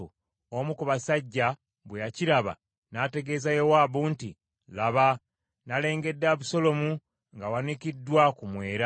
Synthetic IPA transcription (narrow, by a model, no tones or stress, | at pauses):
u | omukuβasaɟːa | βwejaciɾaβa̰ | nate̞ɡe̞ːzajowaːβuːnti | laβa | nale̞ːŋɡe̞dːaβuso̞lo̞mu | ŋɡawanikidːwakumwe̞ːɾa